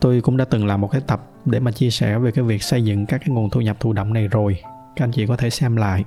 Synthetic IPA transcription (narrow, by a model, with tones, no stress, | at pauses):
t̪o˧jkʊ̰˧˥ŋ͡mɗa̰ː˧˦t̪ɨ˨˩ŋlaː˨˩mo˨˩t̚kaː˦˥j̚t̪ə˨˩p̚ɗe˧˩maː˨˩t͡ɕi˧əsɛ˧˩ve˨˩kaː˨˦jvi˨˩ək̚sə˧jzɨ̰˧˨ŋkaː˦˥kːaː˨˦jŋo˨˩nt̪ʰu˧ɲə˨˩p̚t̪ʰu˧˩ɗə̰˧˨wŋ͡mna˨˩jzo˨˩j | ka˨˦˥ʔa˧jŋt͡ɕḭ˧˨kɔ˨˦t̪ʰe˧˩sɛ˧mla̰ː˧˨jʔ